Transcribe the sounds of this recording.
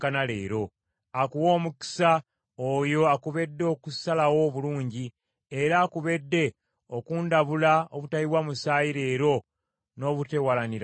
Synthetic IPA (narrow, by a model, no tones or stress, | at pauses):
kanale̞̰ːɾo̞ | akuwo̞ːmuki̥sa | ojo̞akuβe̞dːeokusalawo̞βuluːɲɟi | eɾaːkuβe̞dːe̞ | okuːndaβulaoβutaiwamusaːjiɾe̞ːɾo̞ | no̞ːβute̞walaniɾ